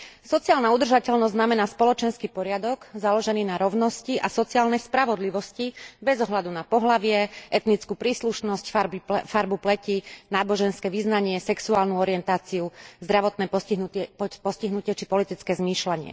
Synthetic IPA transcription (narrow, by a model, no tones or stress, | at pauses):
sɔt͡siaːlnaud̪r̩ʒacɛʎnɔzznamɛnaːspɔlɔt͡ʃɛnskipɔɾɪad̪ɔɡzalɔʒɛniːnaɾɔʊnɔsciʔasɔt͡siaːlnɛspɾaʋɔd̪liʋɔscibɛzɔɦlad̪unapɔɦlaʋɪɛʔɛt̪nit͡skuːpɾiːsluʃnɔscfbfaɾbuplɛcinaːbɔʒɛnskɛːʋiznaɲɪɛsɛksuaːlnuɔɾiɛnt̪aːt͡siuzd̪ɾaʋɔt̪nɛːpɔipɔsciɦnucɪɛt͡ʃipɔlit̪it͡skɛːzmiːʃlaɲɪɛ̰